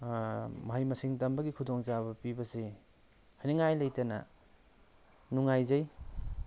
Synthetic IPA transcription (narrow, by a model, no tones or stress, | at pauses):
mɐɦajmɐsiŋtɐmbɐɡikʰudoŋt͡ʃabɐpibɐse | hajnɐŋajlɐjtɐnɐ̰ | nuŋajzɐj